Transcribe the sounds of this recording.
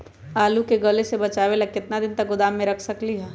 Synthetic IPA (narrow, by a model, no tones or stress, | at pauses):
aːlukeɡɐlesebɐt͡ʃaːʋelɐkɪt̪nad̪ɪnt̪ɐk̚ɡʊd̪aːmːẽɾɐkʰsɐkliɦɛː